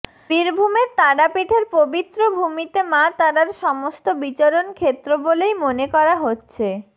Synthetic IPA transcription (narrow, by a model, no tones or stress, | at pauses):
biɾbʱumeɾt̪aɽapiʈʰeɾpobit̪ːɾobʱumit̪emat̪aɖaɾʃɔmost̪obit͡ɕoɾonkʰet̪ːɾobolejmonekɔɾaɦotːɕʰe